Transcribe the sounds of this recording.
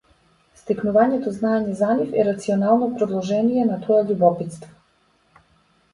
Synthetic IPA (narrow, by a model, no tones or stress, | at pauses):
st̪ɛknuvaɲɛt̪ɔznaeɲɛzanifɛɾat̪siɔnalˠnɔpɾɔd̪lˠɔʒɛnijɛnat̪ʰɔaʎubɔpit̪st̪vɔ̥